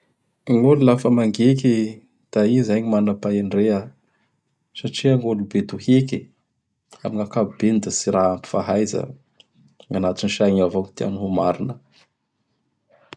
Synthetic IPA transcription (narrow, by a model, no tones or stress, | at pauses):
ŋolulafəmaŋɡeki | d̪̥aizaɲimanapaiɳɖ͡ʐea | saʈ͡ʂiaŋolubed̪uheki | a̰miŋakabbenid̪əsiɾaampi̥faɦajzə̰ | ŋanat̪inʃaɲavoŋit̪ea̰nuɦumaɾinə